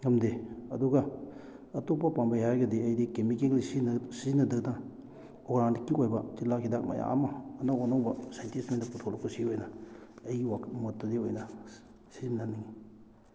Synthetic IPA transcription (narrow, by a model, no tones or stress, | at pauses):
ɡɐmdeɐ̰duɡaː | topapaŋbajaɾɡediɐjdikemikeklisinsizinɐdɐk̚daŋ | oɡɾaŋdikikojbɐt͡ʃilakʰidak̚ma̰ja̰mɐːnaonawbɐsajntismendɐputʰolakʰusiojnɐːjɡiwaktmɐtːɐdiojnɐ | sizimnaniŋi